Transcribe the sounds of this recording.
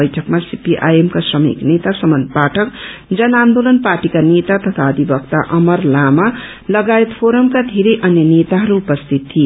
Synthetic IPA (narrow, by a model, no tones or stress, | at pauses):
ʌjʈʰʌkmasipiʔa̰jemkasrʌmḭknet̪asʌmʌnpaʈʰʌkd͡zʌnand̪olʌnparʈikanet̪at̪ʌt̪ʰaʌd̪ʱibʌkt̪aʔʌmʌrlama | lʌɡaet̪pʰoɾʌmkad̪ʱeɾʌjʔʌnjʌnet̪aɦʌɾuːpʌst̪ʰit̪ʰːie